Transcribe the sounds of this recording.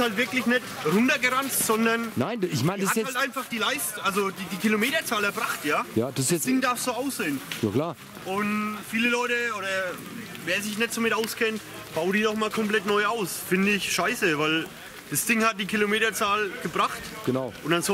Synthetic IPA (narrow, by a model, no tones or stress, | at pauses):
haltvɪɐklɪçnɛtʁʊntɐɡəʁanttz̥ɔndɐnnaɪnɪçmaɪndhaɛhaltʔaɪnfaχd̥iːlaɪstʔalzodiːdiːkʰilomeːtɐt͡saːlɛɐbʁaχtjaːjaːd̥sɛsdɪŋdaɐfz̥oːaʊsz̥eːnjaːklaː | ʔʊnfiːləlɔʏtəoːɾɐ | veːɐzɪçnɛtz̥oːmɪtʔaʊskʰɛnt | b̥aʊdiːnɔχmaːlkʰɔmplɛtnɔʏaʊsfɪndəɪçʃaɪsəvaɪl | d̥asd̥ɪŋhat̚d̥iːkʰilomeːtɐt͡saːlɡ̥əbʁaχt | ɡ̥ənaʊʔʊnd̥anzo